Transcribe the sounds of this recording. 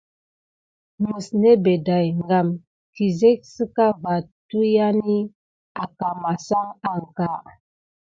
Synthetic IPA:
mə˨sne˦be˨da˨jŋɡa˨m | ki˨ze˦k̚sɨ˦ka˦va˨tu˦ja˦ni˦ | a˨ka˨ma˨sa˦ŋa˨ŋ˨ka˨

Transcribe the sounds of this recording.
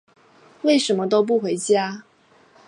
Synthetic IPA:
we˥˩ɪʂə˧˥nmə˧t̪o˥ʊp̬u˥˩xwe˧˥ɪt͡ɕja˥

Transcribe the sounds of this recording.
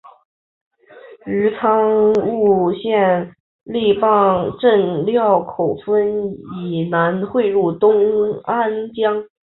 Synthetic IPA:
ɻ̩˧˥t͡sʰɑ˥ŋŋu˥˧ɕjɛ˥˧n | li˥˧pɑ˥˧ŋʈ͡ʂə˥˧ŋljɑ˥˩ʊkʰo˨˩ʊfə˥ni˨˩na˧˥nxwe˥˧ɪɻu˥˩t̪ʊ˥ŋa˥nt͡ɕjɑ˥ŋ

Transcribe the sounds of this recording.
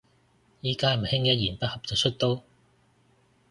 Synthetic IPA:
jiː˥kaː˥m̩˨˩hɪ˥ŋjɐ˥t̚jiː˨˩npɐ˥t̚hɐ˨p̚t͡sɐ˨wt͡ʃʰɵ˥t̚t̪o˥w

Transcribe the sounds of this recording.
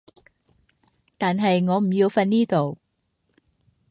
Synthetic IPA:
t̪aː˨nɦɐ˨jŋɔː˨˧m̩˨˩ji˧wfɐ˧nniː˥t̪o˨w

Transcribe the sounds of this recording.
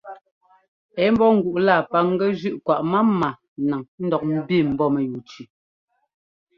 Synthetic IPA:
ɛ˨˦m̩˦bɔ˦ŋ̩˨ɡu˨ʔla˦˨pa˦ŋ˦ɡɛ˦d͡ʒʉ˦ʔkwa˨ʔma˦ma˨ | na˨ŋn̩˦dɔ˨k̚m̩˦bi˦˨m̩˨bɔ˦mɛ˨ju˨t͡ʃi˨

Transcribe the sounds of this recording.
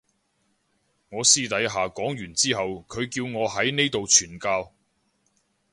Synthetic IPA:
ŋɔː˨˧siː˥t̪ɐ˨˥jɦaː˨kɔː˨˥ŋjyː˨˩nt͡siː˥ɦɐ˨wkʰɵ˨˧ɥkiː˧wŋɔː˨˧ɦɐ˨˥jne˥jt̪o˨wt͡ʃʰyː˨˩nkaː˧w

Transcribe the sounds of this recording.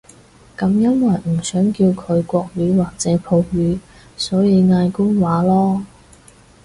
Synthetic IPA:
kɐ˨˧mjɐ˥nwɐ˨˩jm̩˨˩sœː˨˥ŋki˧wkʰɵ˨˧ɥkʷɔː˧k̚ɥyː˨˧waː˨k̚t͡sɛː˨˥pʰo˧wɥyː˨˧˥ | sɔː˨˥jiː˨˧jŋaː˧jkʊ˥ŋwaː˨˥lɔː˥

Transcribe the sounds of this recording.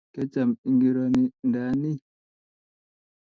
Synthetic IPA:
kɛ˦t͡ʃa˨mi˨ŋɡi˨ɾɔ˨ni˨nda˨ni˦

